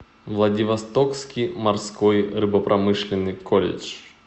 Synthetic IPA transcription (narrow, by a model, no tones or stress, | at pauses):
vlˠɐdʲɪvɐst̪okskʲijmɐrskojrɨbəpɾʔɐmɨʂlʲɪnːɨjkolʲɪ̰t͡ʂ